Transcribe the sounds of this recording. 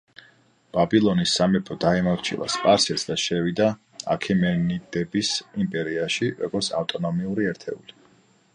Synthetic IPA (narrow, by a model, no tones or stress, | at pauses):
b̥abilˠɔnisːamɛpʰɔd̪aimɔɾt͡ʃʰḭlˠa̰spʼaɾsɛɾsd̪aʃɛvid̪a | a̰kʰimɛnid̪ɛbisimpʼɛɾiaʃiɾɔ̰ɡɔɾt̪sʰaft̪ʼɔnɔmiuɾiɛɾt̪ʰɛṵli